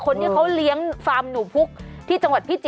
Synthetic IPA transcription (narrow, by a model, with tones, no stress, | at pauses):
kʰo˧nt̪iː˥˧˩kʰa˦˥wli˦˥əŋfaː˧mnuː˨˩˦pʰu˦˥k̚t̪ʰiː˥˩t͡ɕa˧ŋwa˨˩t̪̚pʰi˦˥˩t͡ɕi˨